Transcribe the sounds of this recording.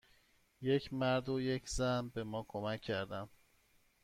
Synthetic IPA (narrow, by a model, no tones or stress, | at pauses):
jecʰmæɾd̪ojecʰzænbe̞mɒːkʰomæcʰːæɾd̪æm